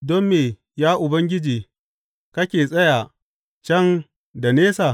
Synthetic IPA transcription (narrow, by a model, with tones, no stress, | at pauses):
dɔ˦mːeː˨ | jaː˦ʔʊ˨bɐ˦ŋɡʲɪ˦d͡ʒiː˨ | kɐ˦kʲeː˨sʼɐ˦ja˨ | t͡ʃɐ˦ŋ | da˨neː˦sa˨